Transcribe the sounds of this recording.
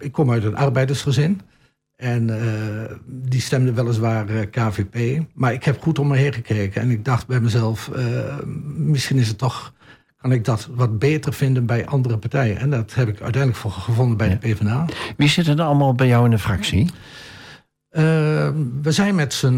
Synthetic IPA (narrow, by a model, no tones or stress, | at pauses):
ɪkʰːɔmœɥtənʔɑrbɛjdərsχəzɪn | ʔɛnə | distɛmdəʋɛlˠəs̬ʋaːrkaːvepeːmaɹɪkhɛpχutoməɦeːχəkeːkənɛ̰nɪɡ̚dɑxtbɛjmɛjzɛlˠfə | mɪsχinɪs̬ətːɔx | kɑnɪk̚dɔtʋɑt̚beːtərv̥ɪndənbɛjʔɑndərəpartɛjənɛdɔthɛpɪkʰœ̰ɥtɛjndləkfoəvondənbɛjdəpeːvənaːʋizɪtənɑlˠmaːlˠbɛjawɪ̃ndəfraksi | ə | ʋəzɛjnmɛtsən